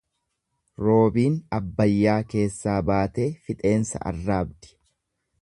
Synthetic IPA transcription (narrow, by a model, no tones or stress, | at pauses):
ɾo̞ːbiːnɐbːɐjːaːke̞ːsːaːbaːt̪eːfɪt̪ʼe̞ːnsɐ̰ʔɐ̰rːaːbd̪ɪ̥